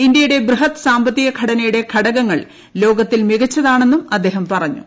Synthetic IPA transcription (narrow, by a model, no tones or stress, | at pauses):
ind̪jɐjuɽe̞brɨɦɐt̪ːsaːmbɐt̪ːiɣɐɡʱɐɽɐnɐjuɽe̞kʰɐɽɐɣɐŋːɐɭ | lo̞ːɡɐt̪ːilmiɣɐt͡ɕːɐðaːɳe̞nːumɐd̪ːe̞ːɦɐmpɐrɐɲːṵ